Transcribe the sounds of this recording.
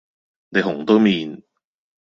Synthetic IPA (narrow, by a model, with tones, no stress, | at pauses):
ne˨˧ɦʊ˨˩ŋt̪o˥wmiː˨n